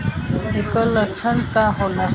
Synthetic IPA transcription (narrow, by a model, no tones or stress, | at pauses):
ekələt͡ʃʰənkaɦola